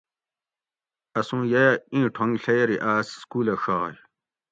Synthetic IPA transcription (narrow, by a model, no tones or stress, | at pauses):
ɐsũːjɐjɐĩːʈʰõŋɡɬɐjɾiʔaːsskuːlɐʂaːj